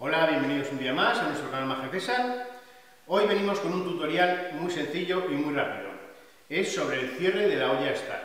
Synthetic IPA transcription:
o̞laβje̞mbe̞niðo̞sund̪iamasanwest̪ɾokaalmaxefesan | o̞jβe̞nimo̞sko̞nunt̪ut̪o̞ɾjalmujse̞n̟θiʎo̞ʔimujrapiðo̰ | e̞sːo̞β̞ɾe̞ːlθje̞re̞ðe̞lao̞ʎaest̪a̰

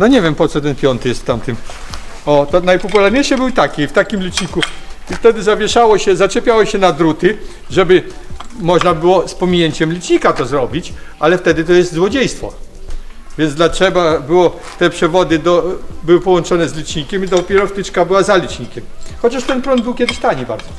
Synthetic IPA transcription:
nɔɲevʲjɛmpɔt̪sɔt̪ɛnpʲjɔnt̪ɘjɛst̪t̪amt̪ɘm | ɔt̪ɔnajpɔpulaɾɲejʂɨbɘwt̪akʲift̪akʲimlʲit͡ʂɲikuift̪ɛd̪ɘzavʲjɛʂawɔɕɛzat͡ʂɛpʲjawɔɕɛnad̪ɾut̪ɘ | ʐɛbɘmɔʐnabɘwɔspɔmʲiɲeɲt͡ɕɛmlʲit͡ʂɲikat̪ɔzɾɔbʲit͡ɕalɛft̪ɛd̪ɘt̪ɔjɛzd̪zwɔd͡ʑejst̪fɔ̰ | vʲjɛnd̪latʂɛbabɘwɔ | t̪ɛpʂɛvɔd̪ɘd̪ɔbɘwɘpɔwɔnt͡ʂɔnɛzlʲit͡ʂɲikʲɛmid̪ɔpʲjɛɾɔft̪ɘt͡ʂkabɘwazalʲit͡ʂɲikʲɛmxɔt͡ɕaʂt̪ɛnpɾɔnd̪̚bɘwkʲɛd̪ɘɕt̪aɲibaɾd̪zɔ

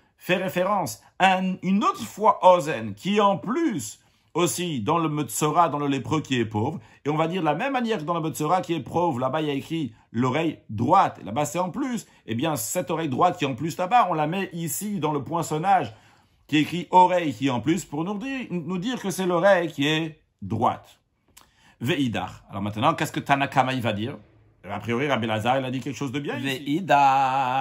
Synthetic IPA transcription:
fɛʁefeʁɑ̃s | aynot̪χəfwaʔɔzɛnkʲiɛɑ̃plys | osid̪ɑ̃ləmɔt̪sɔʁad̪ɑ̃ləlepχøkʲiɛpovʁ | eɔ̃vad̪iʁd̪əlamɛmːanjɛʁkəd̪ɑ̃ləmɔt̪sɔʁakʲiɛpχovʁlabailaekχi | lɔʁɛjd̪ʁwat̪ḛlʔa̰basɛt̪ɑ̃plys | ḛbjɛ̃sɛt̪ɔʁɛjd̪ʁwat̪̚kʲiɛɑ̃plyslabaɔ̃lamɛʔisid̪ɑ̃ləpwɛ̃sɔnaʒ | kʲiaekχiʔɔʁɛjkʲiɛɑ̃plyspuʁnunud̪iʁkəsɛlɔʁɛjkʲiɛ | d̪ʁwa̰t̪ | veid̪a̰ʁalɔ̰ʁmɛ̃t̪nɑ̃kɛskət̪anakamaivad̪iːʁ | a̰pχijɔʁiʁabɛlazaʁilad̪ikʲɛlkə̥ʃozd̪əbjɛ̃veid̪a

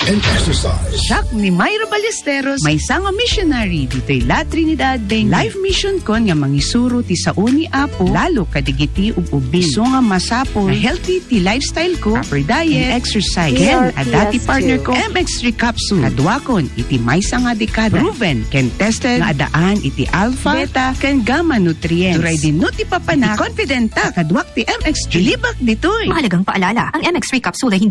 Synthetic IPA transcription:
ɛnɛksɛɹsasak̚nimajɾobɐlɛst̪ɛɾosmɐjsaŋɐmɪʃonaɹid̪iːt̪ojlat̪ɾɪnɪd̪ad̪̚ːɛjlajvmiʃonkonŋɐmɐŋisuːɾot̪isɐʔoniʔapolaːlokɐd̪ɪɡɪt̪iʔʊɡ̚ʊbiŋsoŋɐmɐsaːpohɛlt̪it̪ilajfst̪ajlkopɛɹd̪aːjɛʔɛksɛɹsajɛnʔɐ̰d̪aːt̪ipaɹt̪̚nɛɹkoɛmɛkst̪ɾikapsulɐ̰d̪waːkonʔɪt̪imajsɐŋad̪ɛkad̪ɾuvɛnkɛnt̪ɛst̪ɛdaʔɐd̪ɐ̰ʔanʔɪt̪iʔalfat̪akɐnɡamɐnut̪ɾiɛʊɾajd̪inot̪ipɐpɐnakonfɪd̪ɛnt̪akɐd̪wak̚t̪iʔɛmʔɛkst̪ɾilibɐk̚d̪ɪt̪ojmɐhɐlɐɡaŋpɐʔɐlaːlɐʔɐŋʔɛmɛkst̪ɹikapsulɐjhɪn

